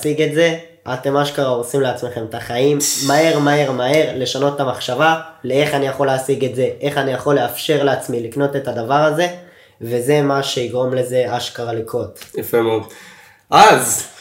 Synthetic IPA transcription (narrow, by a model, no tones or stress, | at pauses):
siɡe̞tze̞ | ate̞maʃkaʁaosimleat͡sme̞χe̞mtaχaimːae̞ʁmae̞ʁmae̞ʁle̞ʃano̞t̪tamaχʃavalee̞χanijaχo̞leasiɡe̞tze̞ʔe̞χanijaχo̞le̞afʃe̞ʁleat͡smilikno̞te̞tadavaʁaze̞ | ve̞ze̞maʃe̞iɡʁo̞mle̞ze̞aʃkaʁalikʰo̞tjafemeod̪ | ʔaz